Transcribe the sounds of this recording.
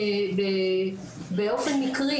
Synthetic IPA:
be | beo̞fenmikʁi

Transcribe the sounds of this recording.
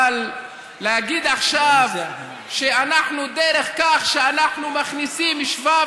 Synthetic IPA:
lː | ehaɡid̪aχʃav | ʃeanaħnud̪eɾeχkaχʃeanaħnumaχnisimiʃva

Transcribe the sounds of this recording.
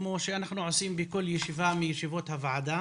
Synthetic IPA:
mo̞ʃeanaχnuʕosimbeko̞ljeʃivamijeʃivo̞t̪havaʕad̪a

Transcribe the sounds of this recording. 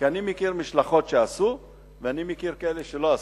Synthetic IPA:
kianimekiʁmiʃlaχo̞t̪ʃeasu | veanimekiʁkaeleʃeloa

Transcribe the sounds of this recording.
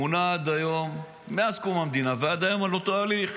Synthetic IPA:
unaad̪ajo̞mː | easkumhamd̪inavead̪ajo̞malo̞t̪aaːliχ

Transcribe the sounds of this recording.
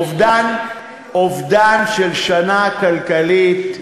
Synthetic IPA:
dan | ovd̪anʃelʃanakalkalit

